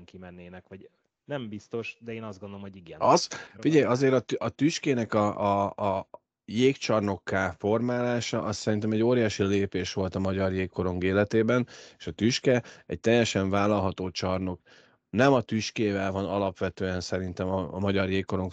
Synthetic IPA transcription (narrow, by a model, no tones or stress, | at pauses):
ŋkimɛnːeːnɛkʋɒɟ | nɛmbist̪o̞ʃd̪ɛeːnɒzd̪ɡond̪olomhoɟiɡɛnɒzfiɟɛjɒzeːɾɒt̪ɒt̪yʃkeːnɛkɒʔ | jeːkt͡ʃɒrno̞kːaːfo̞rmaːlaːʃɒʔɒssɛɾint̪ɛmɛɟːoːɾijaːʃileːpeːʃʋo̞lt̪ɒmɒɟɒrjeːkːo̞ɾo̞ŋɡeːlɛt̪eːbɛne̥ʃɒt̪yʃkɛɛc̚t̪ɛjːɛʃɛɱvaːlːɒlɦɒt̪oːt͡ʃɒrno̞k | nɛmɒt̪yʃkeːvɛlvɒnɒlɒpʋɛt̪øːɛnsɛɾint̪ɛmɒːmɒɟɒrjeːkːo̞ɾo̞ŋk